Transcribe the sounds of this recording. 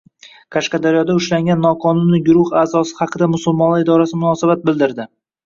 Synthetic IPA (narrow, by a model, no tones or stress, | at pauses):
kʰaʃqɑd̪aɾjɒd̪aʊʃlaŋɡʲanːɒqʰɒnʊnːɪɡʊɾʊhaːzɒsɪ̥hɑqʰɨd̪amʊsʊlˠmɒnˠaɪd̪ɒɾasɪmʊnɒsabat̪̚bɪlˠd̪ɪɾd̪ɪ